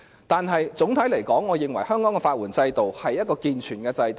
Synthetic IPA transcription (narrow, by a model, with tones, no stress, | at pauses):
t̪aː˨nɦɐ˨jt͡sʊ˨˥ŋt̪ʰɐ˨˥jlɐ˨˩jkɔː˨˥ŋːɔː˨˧jɪ˨˩ŋwɐ˨˩jhœː˥ŋkɔː˨˥ŋkɛ˧faː˧t̚wuː˨˩nt͡sɐ˧jt̪o˨whɐ˨jːɐ˥t̚kɔː˧kiː˨˧nt͡ʃʰyː˨˩nkɛː˧t͡sɐ˧jt̪